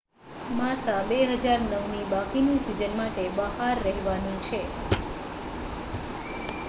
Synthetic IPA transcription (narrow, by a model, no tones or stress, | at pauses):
masabeɦəd͡ʒaɾnəʋnibakinisid͡ʒənmaʈebəɦaɾːəɦʋanit͡ʃʰe